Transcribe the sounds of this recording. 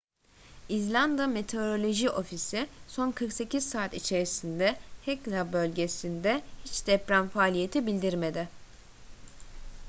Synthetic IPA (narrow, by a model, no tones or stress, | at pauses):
izlʲand̪ame̞t̪ʰe̞oɾo̞lʲo̞ʒiʔo̞fisiso̞nkʰɯɾkse̞cʰizsaːt̪it͡ʃʰe̞ɾisind̪ɛhɛklˠabø̞lʲɟe̞sind̪ɛhit͡ʃd̪̥ɛpɾænfaːlʲije̞t̪ʰibilʲd̪iɾme̞d̪ɪ